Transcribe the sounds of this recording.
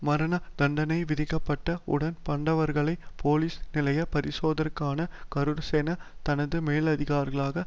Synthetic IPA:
mɐɾɐnɐd̪̥ɐɳɖɐnɐɪʋɪðɪkːɐpːɐʈːɐʊ̰ɽɐnpɐɳɖɐʋɐɾɣɐɭɐɪpʰoːliːsnɪlɐjɐpɐɾɪsoːðɐɾkːaːnɐkɐɾɯɾseːnɐt̪ɐnɐðɯmeːlɐðɪɣaːɾɣɐɭaːɣɐ

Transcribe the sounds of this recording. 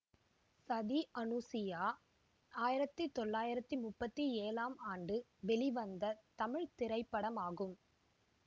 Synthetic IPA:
sɐðiʔɐnuːsɪjaː | aːjɪɾɐt̪ːɯt̪ːɔɭːaːjɪɾɐt̪ːɯmʊpːɐt̪ːieːlaːmaːɳɖɯʋɛɭiʋɐnd̪ɐt̪ɐmɪɻt̪ɪɾɐɪpːɐɽɐmaːɣɯm

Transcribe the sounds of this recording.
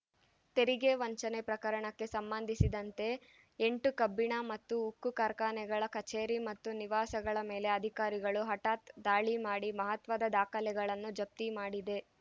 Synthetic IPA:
t̪e̞ɾiɡeʋɐɲt͡ʃɐnepɾɐkɐɾɐɳɐkːe̞sɐmbɐnd̪ʱisid̪ɐnt̪e̞ | eɳʈukɐbːiɳamɐt̪ːuːkːukaːɾkaːnɛɡɐɭɐkɐt͡ʃeːɾimɐt̪ːuniʋaːsɐɡɐɭɐmeːle̞ɐd̪ʱikaːɾiɡɐɭuɦɐʈaːt̪d̪aːɭimaːɽimɐɦɐt̪ʋɐd̪ɐd̪aːkʰɐlɛɡɐɭɐnːud͡ʒɐp̚t̪imaːɽid̪e̞

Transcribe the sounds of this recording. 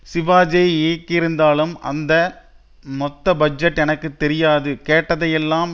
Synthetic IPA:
sɪʋaːd͡ʒeːeːkːɪɾɯnd̪aːlɯmɐ̰nd̪ɐ | mɔt̪ːɐbɐd͡ʒɛʈːɛnɐkːɯt̪ːɛɾɪjaːðɯkeːʈːɐðɐjɛlːaːm

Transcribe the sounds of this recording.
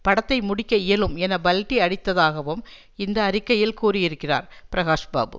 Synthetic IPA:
pɐɽɐt̪ːɐɪmʊɽɪkʲːɐɪjɐlɯmɛnɐbɐlʈːiɐɽɪt̪ːɐðaːɣɐʋɯm | ɪnd̪ɐːɾɪkːɐjɪlkuːrɪjɪɾɯkːɪra̰ːɾpɪɾɐɣaːʂɐba̰ːbɯ̰

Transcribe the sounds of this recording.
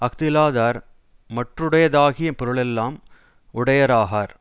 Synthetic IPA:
ɐkt̪ɪlaːðaːɾ | mɐʈrɯɽɐjɐðaːɣɪjɐpɔɾɯɭɛlːaːm | ʊɽɐjɐɾaːɣaːɾ

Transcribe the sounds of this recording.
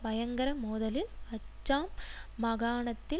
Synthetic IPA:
bɐjɐŋɡɐɾɐmoːðɐlɪlɐt͡ʃːaːmːɐɣaːɳɐt̪ːɪ

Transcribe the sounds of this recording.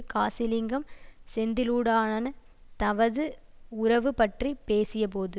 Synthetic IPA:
kaːsɪlɪŋɡɐmsɛnd̪ɪluːɽaːnɐnɐ | t̪ɐʋɐðɯ | ʊɾɐʋɯpɐʈripeːsɪjɐp̬oːðɯ

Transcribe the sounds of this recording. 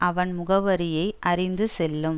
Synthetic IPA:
ʔɐʋɐnmʊɣɐʋɐɾɪjɐɪʔɐrɪnd̪ɯsɛlːɯm

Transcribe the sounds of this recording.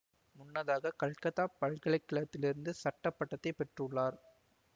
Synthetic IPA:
mʊnːɐðaːɣɐkɐɭkɐt̪aːpɐɭkɐɭɐɪkːɪɭɐt̪ːɪlɪɾɯnd̪ɯsɐʈːɐpːɐʈːɐt̪ːɐɪpɛʈrɯɭːaːɾ

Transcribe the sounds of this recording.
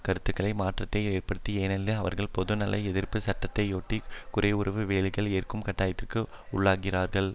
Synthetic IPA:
kɐɾɯt̪ːɯkːɐɭɐɪmaːʈrɐt̪ːɐɪeːrpɐɽɯt̪ːieːnɐlːɐɐʋɐ̰ɾɣɐɭpɔðɯnɐlːɐɪɛðɪɾpɯsɐʈːɐt̪ːɐɪoːʈːikʊɾeːʊrɐʋɯʋeːlɪɣɐɭeːrkɯmkɐʈːaːjɐt̪ːɪrkɯ | ʊɭːaːkɪraːɾɣɐɭ

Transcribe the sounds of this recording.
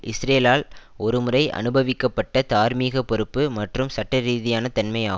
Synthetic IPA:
ʔɪsɾeːlaːlɔɾɯmɯɾɐɪʔɐ̰nɯbɐʋɪkːɐpːɐʈːɐt̪aːɾmiːɣɐpːɔɾɯpːɯmɐʈrɯmsɐʈːɐɾiːðɪjaːnɐt̪ɐnmɐjaː

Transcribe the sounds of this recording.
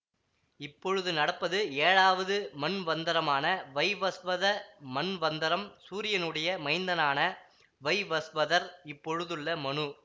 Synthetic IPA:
ɪpːɔɻɯðɯnɐɽɐpːɐðɯeːɻaːʋɐðɯmɐnʋɐnd̪ɐɾɐmaːnɐʋɐɪʋɐsʋɐðɐmɐnʋɐnd̪ɪɾɐmsuːɾɪjɐnɯɽɐjɐmɐɪnd̪ɐnaːnɐ | ʋɐɪʋɐsʋɐðɐɾɪpːɔɻɯðɯɭːɐmɐɳɯ

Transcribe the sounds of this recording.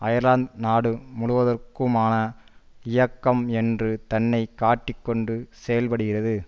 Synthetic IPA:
ɐjɐɾlaːnd̪naːɽɯmʊɽʊʋɐðɐrkɯmaːnɐ | ɪjɐkːɐmɛndrɯt̪ɐnːɐɪkːaːʈːɪkːɔɳɖɯsɛjɐlpɐɽɯɣɪrɐðɯ

